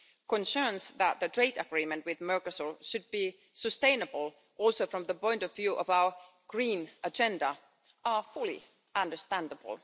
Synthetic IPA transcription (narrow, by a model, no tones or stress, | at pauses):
kə̃nsɜ˞nsðæt̪̚ðətʰɹ̥eɪtəɡɹĩːmɨ̃ntwɪðmɜ˞kəsəlˠʃɨd̚bi | sɨstẽɪ̃nəbəl̩ˠ | ʔɔlˠsoʊfɹʌ̃mðəpɔ̃ɪ̃ntɔvjʉːʔɔvaʊə˞ | ɡ̥ɹĩːnəd͡ʒɛ̃ndə | ʔəfʊlˠḭ | ʔʌ̃ndə˞stæ̃ndəb̰l̩ˠ